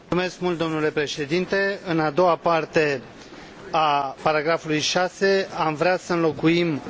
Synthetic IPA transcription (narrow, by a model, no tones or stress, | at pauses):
ume̞sk̚mult̪̚d̪omnule̞pɾe̞ʃe̞d̪int̪e̞ɨnad̪o̞wapart̪e̞ | apaɾaɡɾafulujʃase̞amvɾeasəɨnlo̞kuim